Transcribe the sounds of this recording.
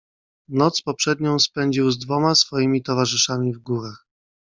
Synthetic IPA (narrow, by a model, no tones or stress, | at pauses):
nɔt̪spɔpʂɛd̪ɲɔ̃w̃spɛɲd͡ʑiwzd̪vɔmasfɔjimʲit̪ɔvaʐɘʂamʲivɡuɾax